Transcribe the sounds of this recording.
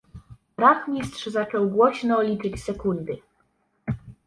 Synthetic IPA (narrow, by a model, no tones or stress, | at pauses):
ɾaxmʲist̪ʂzat͡ʂɔwɡwɔɕnɔːlʲit͡ʂɘt͡ɕsɛkund̪ɘ